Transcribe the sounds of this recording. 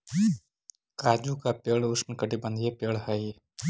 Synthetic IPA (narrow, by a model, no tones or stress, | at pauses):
kaːd͡ʒukapeːɭʊsnkəʈibə̃nd̪jepeːɭɦəj